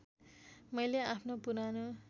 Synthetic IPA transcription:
mʌjleapʰnopuɾano

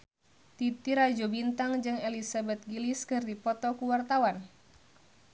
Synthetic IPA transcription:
t̪it̪iɾad͡ʒobint̪aŋd͡ʒɨŋelisabɛt̪̚ɡiliskɨrdipɔt̪ɔkuwart̪awan

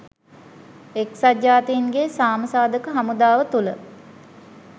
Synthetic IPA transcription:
eksad͡ʒaːt̪iŋɡesaːməsaːd̪əkəɦamud̪aːʋət̪ulə̰

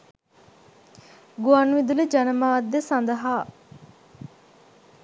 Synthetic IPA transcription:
ɡuanʋid̪uled͡ʒɐnəmaːd̪əsɐnd̪əɦaː

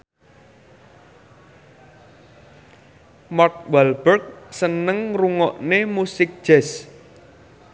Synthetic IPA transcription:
mɔrt̪̚wɛlbərk̚sənəŋruŋɔʔnemusɪk̚d̥ʒ̥ɛs

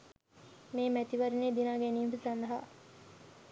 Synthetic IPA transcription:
meːmæt̪iʋɐɾineːd̪inaːɡenimfisɐnd̪ɐɦa̰

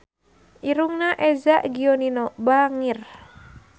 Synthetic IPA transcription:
ʔiɾuŋnaʔɛzaʔɡioninɔbaŋir

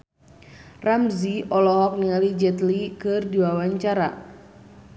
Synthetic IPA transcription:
ramziɔlɔɦɔk̚niŋalid͡ʒɛt̪likɨrdiwawaɲt͡ʃaɾa̰

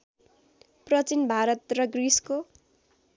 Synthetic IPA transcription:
prʌt͡sinbʱaɾʌt̪rʌɡrisko

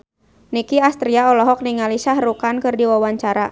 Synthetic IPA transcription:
nikiast̪ɾiaɔlɔɦɔk̚niŋalisahrukankɨrdiwawaɲt͡ʃaɾa

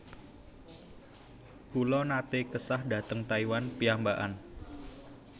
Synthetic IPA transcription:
kulɔnat̪ɪkəsahdä̤t̪əŋt̪aiwanpiambaʔan

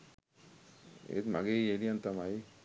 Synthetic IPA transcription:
ḛt̪maɡeeliant̪amai

